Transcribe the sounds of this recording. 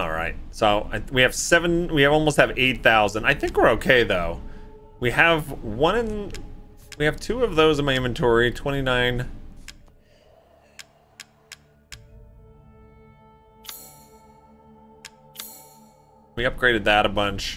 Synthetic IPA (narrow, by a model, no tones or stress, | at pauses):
ɔ̰lˠɹa̰ɪt̚soʊʔa̰ɪwiɨv̥sɛvɨ̃nwiɨɔlˠmoʊst̚hɨveɪt̪̚θaʊzə̃ndaɪθɪ̃ŋkwə˞oʊkʰeɪðoʊ | wiɨvwʌ̃ñɨ̃n | wiɨv̥tʰʉʌvðoʊzɨ̃nmaɪɪ̃mɨ̃n̩tʰɔɹitʰw̥ɛ̃ɾ̃inãɪ̃n | wiʌp̚ɡ̥ɹeɪɾɨd̪̚ðəɾəbʌ̃nt͡ʃ